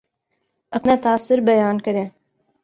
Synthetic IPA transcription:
ɐpnat̪aːsɪɾbɐjaːnkɐɾẽː

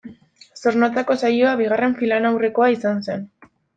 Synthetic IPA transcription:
so̞ɾnat͡sako̞sajo̞aβiɣ̞are̞ɱfilanawre̞ko̞aisanse̞n

